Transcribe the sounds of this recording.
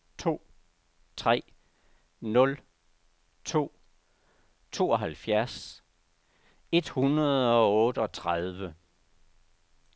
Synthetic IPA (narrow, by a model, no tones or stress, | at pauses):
t͡sʰo̝̰ː | t͡sʰʁɛ̰ː | nɔ̽l | t͡sʰo̝̰ː | t͡sʰo̝̰ːɒ̽ɦælfjæɐs | e̝d̥hunɐðˠɒ̽ɔ̽ːd̥əɒ̽t͡sʰʁað̞ˠʋə